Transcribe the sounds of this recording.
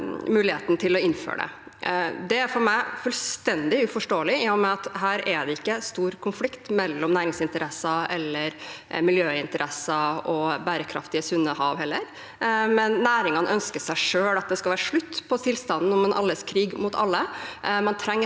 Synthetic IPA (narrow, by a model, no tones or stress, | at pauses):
mʉːlɪhḛːt̪n̩t̪ʰɪlɔɪnfø̰ːɖɛ̰ | d̪ɛæɾfɔɾmæɪfʉlst̪ɛnd̪ɪʉfɔʂʈoːəlɪɪjɔmɛɑt̪hæːɾɛɖ̪ɛɪkːəst̪uːɾkʰʊnflɪkt̪mɛlːɔmnæːɾɪŋsɪnt̪əɾɛsɑɛlːəɾmɪljøːɪnt̪əɾʔɛsɑɔbæːɾəkʰɾɑ̰ft̪ɪəsʉnːəhɑːʋhɛlːəɾ | mɛnːæːɾɪŋɑnʔœnskəʂæɪʂøːlɑt̪̚d̪ɛskɑlʋæːɾʂɭʉt̪ːpʰɔt̪ʰɪlst̪ɑnn̩ɔmɛnʔɑ̰lːəskʰɾiːɡmʊt̪ʰɑ̰lːəmɑnt̪ʰɾɛŋːə